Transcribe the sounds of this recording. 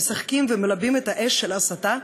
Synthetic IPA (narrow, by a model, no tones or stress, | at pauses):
saχkimvemelabimetaʔeʃːelasata